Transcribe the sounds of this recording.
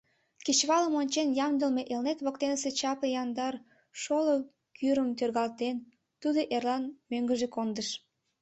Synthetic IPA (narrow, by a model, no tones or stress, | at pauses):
ket͡ɕβɑləmonʲt͡ɕenjɑmd̪əlmeʔelnet̪βok̚t̪enəset͡ɕɑpejɑnd̪ɑr | ʃolo | kyɾəmt̪ørɣɑlt̪en | t̪ud̪oʔerlɑnmøŋɡəʒekond̪əʃ